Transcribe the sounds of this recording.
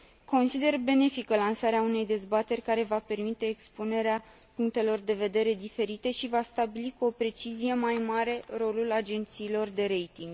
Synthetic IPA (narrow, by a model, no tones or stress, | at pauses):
ko̞nsid̪e̞rbe̞ne̞fikəlansaɾeaune̞jd̪e̞zbat̪e̞rʲkaɾe̞vape̞rmit̪e̞ːkspune̞ɾea | puŋk̚t̪e̞lo̞rd̪e̞ve̞d̪e̞ɾe̞d̪ife̞ɾit̪e̞ʃivast̪abilikuo̞pɾe̞t͡ʃizije̞majmaɾe̞ro̞lulad͡ʒe̞nt̪siːlo̞rd̪e̞ɾe̞jt̪iŋɡ